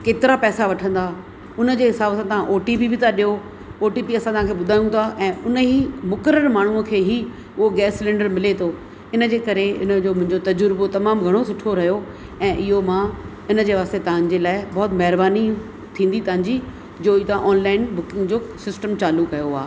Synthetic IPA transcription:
keːt̪ɪɾapɛːsaʋɐʈʰə̃nd̪aː | ʊnə̆d͡ʑeːɦɪsaːbsãːt̪ɐʋãʔoːʈipibʱɪt̪ʰaɗijo | oːʈipiɐsãt̪ɐʋãkʰeːɓʊd̪ʱaːjũt̪ʰaʔɛ̃ːʊnəɦimʊkəɾəɾmaːɳ̤uəkʰeːɦi | ʊɦoɡɛːslẽːɳɖəɾmɪlet̪ʰoː | ɪnə̆d͡ʑeːkɐɾeɪ̰nə̆d͡ʑoːmʊ̃ɦɪ̃ɲd͡ʑot̪ɐd͡ʑʊɾbot̪ɐmaːmɡʱɐɽ̃osʊʈʰoɾɐɦjo | ɛ̃ːʔɪɦomã | ɪnəd͡ʑeːʋaːst̪et̪ɐɦə̃ɲd͡ʑelaːɪbɔːt̪mɛɦɪɾbaːni | t̪ʰĩːnd̪it̪ɐɦə̃ɲd͡ʑi | d͡ʑoːit̪ɐãʔɔːnlaːɪnbʊkɪ̃ŋɡd͡ʑoːsɪsʈəmt͡ɕaːlukːɐjoa̰ː

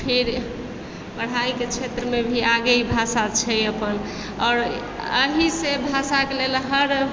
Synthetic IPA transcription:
pʰeɾ | bəɽ̤aiket͡ʃʰet̪ɾəmebʱiaɡəibʱasat͡ʃʰɛəpən | ɔːɾ | ə̰ɦisebʱasakelelɦəɾ

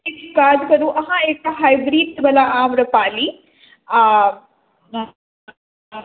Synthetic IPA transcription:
ekaːd̪kɐɾũʔɐɦãeːk̚ʈaɦajbɾiːɖsbɐlaʔaːmɾɐpaːli

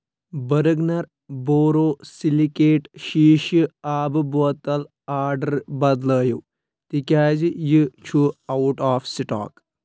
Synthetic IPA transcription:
bɐɾɨɡnɐɾ | boːɾoːsilikeːʈʃiːʃɨaːbɨbuɐt̪ːɐl | aːɾɖɐɾbɐd̪ləːju | t̪ikʲaːd͡ʒijɨt͡ʃʰuɐwʈaːfsiʈa̰ːk

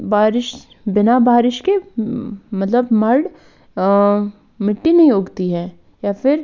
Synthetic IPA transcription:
baːɾɪʃ | bɪnabaːɾɪʃke | mɐt̪ləbmɐɾɖ | mɪʈːinɐɦĩoːɡt̪iɦɛː | jaːfɪɾ

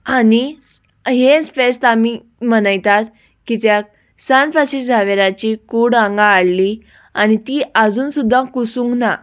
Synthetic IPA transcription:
ani | ɦet͡sfest̪ami | mənajt̪at̪ | kit̪ja | sanfaɕisd͡zʱaʋeɾat͡ɕikuɽãŋɡaːɽli | añit̪iːʔad͡zuːnsud̪ʱːakusũŋkna

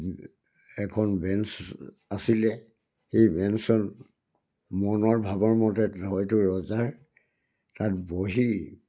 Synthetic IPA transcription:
ɛkʰɔnbɛns | asilɛ | xejbɛnsɔn | mɔnɔɹbʱabɔɹmɔtɛɦɔjtʊɹɔzaɹ | tatboɦi

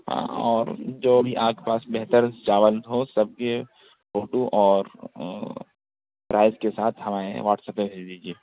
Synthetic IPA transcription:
ɦã̰ːɔːɾd͡ʒoːbʱiʔaːkepaːsbɛɦt̪əɾd͡ʒaːʋəlt̪ɦosɐb̚ke | foːʈuʔɔːɾ | pɾʔaːɪzkesaːt̪ʰhɐmaːɾḛʋaːʈsəpːẽbʱeːd͡ʒd̪iːd͡ʒieː

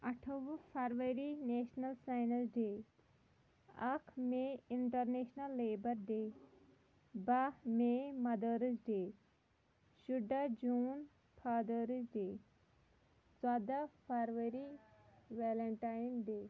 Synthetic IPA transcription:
ɐʈʰɐʋəpʰɐɾʋɐɾineːʃnɐlsajnɐsɖeː | ɐkʰmeiɳʈɐɾneːʃnɐlːeːbɐɾɖeː | bɐmemɐd̪əːɾəsɖeː | ʃuɖad͡ʒuːn | pʰad̪əɾisɖeː | t͡sad̪apʰɐɾʋɐɾiʋeːlɐɳʈaːjnɖeː

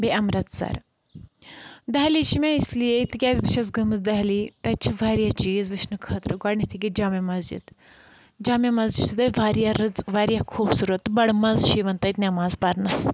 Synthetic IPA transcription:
biɐmɾɐt̪sɐ̰ɾ | d̪ɐɦlit͡ʃʰimʲaislijeit̪ikʲaːzbiʃɐsɡɐmɨzd̪ɐɦlit̪ɐt͡ʃʰiʋaːɾjat͡ʃiːzʋit͡ʃnɨkʰɐːt̪ɾɨɡɐɽnit̪ʰiɡʲid͡ʒɐːmɐmɐzd͡ʒḭd̪ | d͡ʒɐːmjɐmɐzd͡ʒit̪ʰid̪ɐʋaːɾjaɾɨd͡zʋaːɾjakʰuːbsuːɾɐt̪bɐɽmɐzʃʰiʋɐnt̪ɐit̪nʲamɐːzpɐɾnɐs

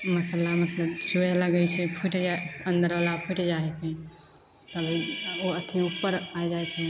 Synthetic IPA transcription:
məslamət̪ləbsueləɡəjt͡ʃʰɛpʰuʈd͡ʒaə̃nd̪əɾʋalapʰuʈd͡ʒaɦekẽ | t̪əbʱioət̪ʰiupːəɾaed͡ʒaet͡ʃʰɛ

